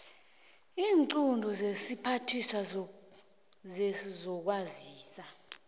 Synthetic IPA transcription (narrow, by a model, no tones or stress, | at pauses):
iːŋǀundʱɔzesipʰatʰisa | zesizɔk̬waziːsa